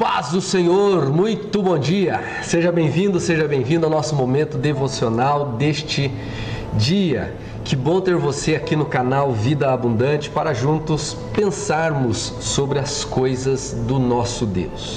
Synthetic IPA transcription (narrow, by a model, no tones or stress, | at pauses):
fazʊsẽɲoɾmũj̃t̪ʊbõd͡ʒiɐ | seʒɐbẽj̃vĩnd̪ʊseʒɐbẽj̃vĩd̪ʊawnɔsʊmomẽnt̪ʊd̪evosionawd̪est͡ʃɪ | d͡ʒiɐ̰ | kɪbõt̪eɾvoseakinʊkanawvid̪ɐabũnd̪ɐ̃t͡ʃɪ̥paɾɐʒũnt̪ʊs | pẽsaɾmʊsː | obɾɪɐskojzɐz | d̪ʊnɔsʊd̪ḛws